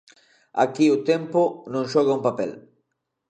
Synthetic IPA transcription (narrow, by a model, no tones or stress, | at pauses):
a̰kiʊt̪empʊnõŋʃɔɣɐumpapɛ̰l